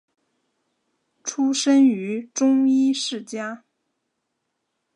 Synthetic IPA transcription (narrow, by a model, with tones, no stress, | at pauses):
ʈ͡ʂʰu˥ʂə˥ny˧˥ʈ͡ʂʊ˥ŋi˥ʂɻ̩˥˩t͡ɕja˥